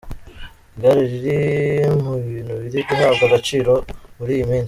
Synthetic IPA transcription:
ɡaɾiɾiɾimuiːn̤uβiɾidiɦaːbɡaɡat͡ʃiːɾo̞muɾiːjimiːnsi

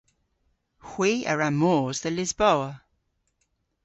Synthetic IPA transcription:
hw̥iːə̰ɹamɔːzðəlɪzbɔwə

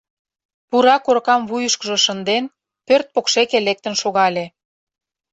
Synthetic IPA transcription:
puɾɑkoɾkɑmβujəʃkəʒɤ̆ʃə̆nd̪en | pørt̪̚pokʃekelek̚t̪ənʃoɣɑlʲe

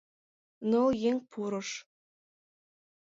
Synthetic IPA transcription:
nɤjeŋpʰuɾɤ̆ʃ

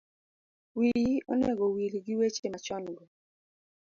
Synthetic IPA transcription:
wiɾɔ̰nɛɡɔwiɾiɡɪwet͡ʃemat͡ʃɔnɡɔ

